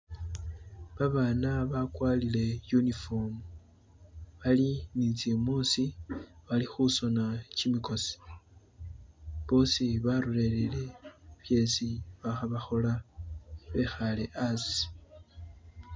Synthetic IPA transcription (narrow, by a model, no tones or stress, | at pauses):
βaβaːnaβakwalile̞junifo̞mu | βalinit͡semuːsiβalixuso̞nacimiko̞si̥ | βo̞ːsiβaɾule̞lele̞βje̞ːsiβaxaβaxo̞la | βe̞xale̞ʔasi̥